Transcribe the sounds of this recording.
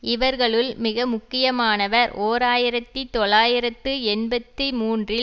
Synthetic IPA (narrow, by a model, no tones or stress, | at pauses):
ɪʋɐɾɣɐɭɯlmɪɣɐmʊkːɪjɐmaːnɐʋɐɾʔoːɾaːjɪɾɐt̪ːit̪ɔɭaːjɪɾɐt̪ːɯɛnbɐt̪ːimuːndrɪ